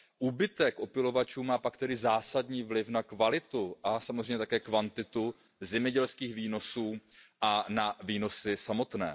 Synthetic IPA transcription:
ʔuːbɪt̪ɛkʔo̞pɪlo̞vat͡ʃuːmaːpakt̪ɛdɪzaːsadɲiːvlɪfnakvalɪt̪uʔasamozr̝ejɲɛt̪akɛːkvant̪ɪt̪u | zɛmɲɛɟɛlskiːxviːno̞suːʔanaviːno̞sɪsamo̞t̪nɛ̰ː

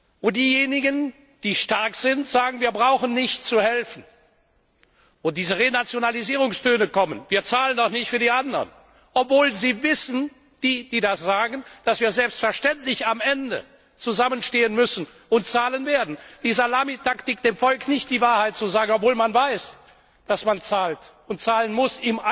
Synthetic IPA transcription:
ʊd̥iːjeːnɪɡən | d̥iːʃtaɐkz̥ɪntz̥aːɡŋ̩viːɐbʁaʊxən̩nɪçtt͡suhɛlfn̩ | ʔʊnd̥iːzəʁenat͡sjonaliziːʁʊŋstʰøːnəkɔmənviːɐt͡saːləndɔχnɪçtfyːɐdiːʔandɐ̰n | ʔɔpv̥oːlziːvɪsn̩ | d̥iːd̥iːdasz̥aːɡən̩d̥asv̥iːɐzɛlpstfɛɐʃtɛntlɪçamʔɛndə̰ | t͡suzamənʃteːənmʏsn̩ | ʊnt̚t͡saːlənveːɐdn̩d̥iːzɐlaːmitʰaktɪk̚d̥eːmfɔlknɪçt̚d̥iːvaːɐhaɪt̚t͡suzaːɡəŋ̩ɔpvoːlmanvaɪs | d̥asmant͡saːlt | ʊntt͡saːlənmʊsɪma

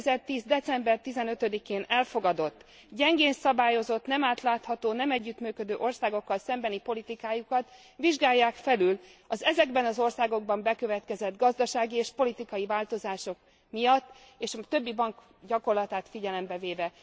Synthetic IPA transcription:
zɛrt̪iːzd̪ɛt̪sɛmbɛrt̪izɛnøt̪ød̪ikeːnɛlfo̞ɡɒd̪o̞t̪ː | ɟɛŋɡeːnsɒbaːjo̞zo̞t̪nɛmaːt̪laːt̪hɒt̪oːnɛmɛɟːyt̪myːkø̞d̪øːʔo̞rsaːɡo̞kːɒlsɛmbɛnipo̞lit̪ikaːjukɒt̪ | viʒɡaːjːaːkfɛlylɒzɛzɛɡbɛnɒzo̞rsaːɡo̞ɡ̚bɒmbɛkøvɛt̪kɛzɛd̪ɡɒzd̪ɒʃaːɡieːʃpo̞lit̪ikɒjivaːlt̪o̞zaːʃo̞k | mijɒt̪ː | eːʃɒt̪øbːibɒŋk | ɟɒko̞rlɒt̪aːt̪fiɟɛlɛmbɛveːvɛ

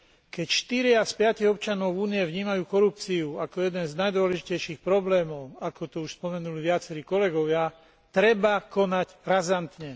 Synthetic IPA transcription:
kɛcʃt̪iɾɪaspɪaciɣɔpt͡ʃanɔʊvuːniɛʋɲiːmajuːkɔɾup̚t͡siuakɔjɛd̪ɛnznajd̪ʋɔlɛʒicɛjʃiːxpɾɔblɛːmɔʊakɔt̪ɔuʃspɔmɛnuliʋɪat͡sɛɾiːkɔlɛɡɔʋɪa | t̪ɾɛbakɔnacɾazant̪ɲɛ

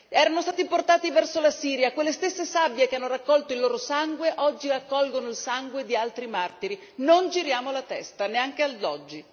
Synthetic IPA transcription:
ɛːɾanost̪aːt̪iport̪aːt̪ivɛrsolasiːɾjakwelːest̪esːesabːjekeanːoɾakːɔlt̪oilːoːɾosaŋɡweʔɔd͡ʒːirakːɔlɡonoilsaŋɡwed̪ialt̪ɾimart̪iɾi | nond͡ʒiɾjaːmolat̪ɛst̪aneaŋk̟eald̪ɔd͡ʒːi

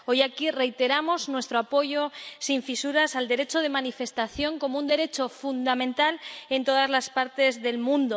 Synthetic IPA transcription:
o̞jakire̞jt̪e̞ɾamo̞znwe̞st̪ɾoapo̞ʝo̞siɱfisuɾasald̪e̞ɾe̞t͡ʃo̞ð̞e̞manife̞st̪aθjo̞ŋko̞mound̪e̞ɾe̞t͡ʃo̞fund̪amẽnt̪ale̞nt̪o̞ðazlaspaɾt̪e̞zðe̞lmũnd̪o

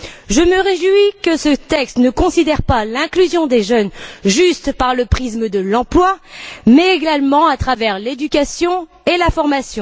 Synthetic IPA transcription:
ʒəməʁeʒwikəsət̪ɛkst̪nəkɔ̃sid̪ɛʁpalɛ̃klyzjɔ̃d̪eʒœnʒyst̪paʁləpχisməd̪əlɑ̃plwamɛːɡalmɑ̃at̪χavɛʁled̪ykʲasjɔ̃ | elafɔʁmasjɔ̃

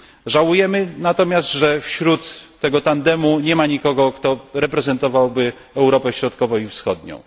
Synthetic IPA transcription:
ʐawujɛmɘnat̪ɔmʲjast̪ʐɛfɕɾut̪ːɛɡɔt̪and̪ɛmuɲɛmaɲikɔɡɔkt̪ɔɾɛpɾɛzɛnt̪ɔvawbɘ | ɛwɾɔpɛɕɾɔt̪kɔvɔ̃w̃ifsxɔd̪ɲɔ̰̃w̃

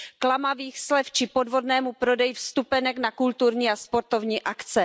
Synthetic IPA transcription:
klamaviːxslɛft͡ʃɪpo̞dvo̞dnɛːmupɾo̞dɛjɪfst̪upɛnɛknakult̪uɾɲiːaspo̞ɾt̪o̞vɲiːʔakt͡sɛ

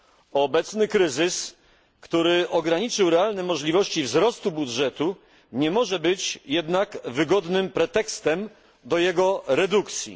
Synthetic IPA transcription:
ɔbɛt̪snɘkɾɘzɘs | kt̪uɾɘɔɡɾaɲit͡ʂɘwɾɛalnɛmɔʐlʲivɔɕt͡ɕivzɾɔst̪ubudʐɛt̪u | ɲɛmɔʐɛbɘt͡ɕjɛd̪nakvɘɡɔd̪nɘmpɾɛt̪ɛkst̪ɛm | d̪ɔjɛɡɔɾɛd̪ukt̪sʲjḭ

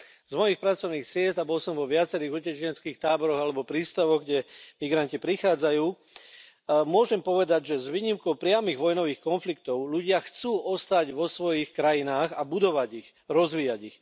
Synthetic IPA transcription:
zmɔjixpɾat͡sɔʊniːxsɪɛzt̪abɔlsɔmʋɔʋɪat͡sɛɾiːɣucɛt͡ʃɛnt͡skiːxt̪aːbɔɾɔɣalɛbɔpɾiːst̪aʋɔɣɡɟɛmiɡɾancipɾixaːd͡zajuː | mʊɔʒɛmpɔʋɛd̪aɟʒɛzʋiːɲimkɔʊpɾɪamiɣʋɔjnɔʋiːxkɔnflikt̪ɔʊʎuɟɪaxt͡suːʔɔst̪aɟʋɔsʋɔjixkɾajinaːɣabud̪ɔʋaɟix | ɾɔzʋiːaɟix

